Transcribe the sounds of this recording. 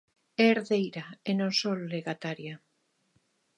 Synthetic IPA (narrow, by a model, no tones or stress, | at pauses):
ɛeːɾðejɾaenõŋsolːeɣat̪aɾja